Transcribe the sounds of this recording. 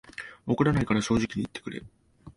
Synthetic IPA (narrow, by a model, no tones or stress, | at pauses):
okɯ̟ɾanaikaɾaɕo̞ːʑikʲiɲ̟it̪ːekɯ̟ɾe̞̰